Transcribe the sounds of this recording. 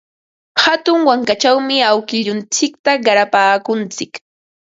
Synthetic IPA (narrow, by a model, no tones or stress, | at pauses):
hat̪ʊŋwaŋkat͡ʃawmɪawkɪʎʊnt͡sɪk̚t̪aɢɑɾapaːkʊnt͡sɪk